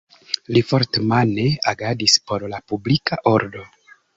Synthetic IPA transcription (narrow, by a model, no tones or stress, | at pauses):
lifo̞ɾtemane̞aɡadispo̞ɾlapublikaʔo̞ɾdo̞